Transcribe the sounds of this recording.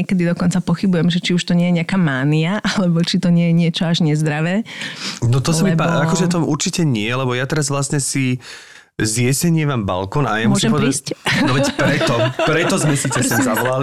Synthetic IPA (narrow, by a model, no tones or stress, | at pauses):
ɛkɛd̪id̪ɔkɔnt͡sapɔxibujɛmʒɛt͡ʃiuʃt̪ɔɲɪɛjɛɲɪakaːmaːniaʔalɛbɔt͡ʃit̪ɔɲɪɛjɛɲɪɛt͡ʃɔaʒɲɛzd̪ɾaʋɛːnɔt̪ɔsamipaakɔʒɛt̪ɔʔuɾt͡ʃicɛɲɪɛlɛbɔjat̪ɛɾazʋlasɲɛsi | zjɛsɛɲɪɛmaːmba̰lkɔnajamɔɔʒɛɛmpɔʋɛdiscnɔʋɛcpɾɛt̪ɔpɾɛt̪ɔzmɛsit͡sɛsɔmzaʋɔlali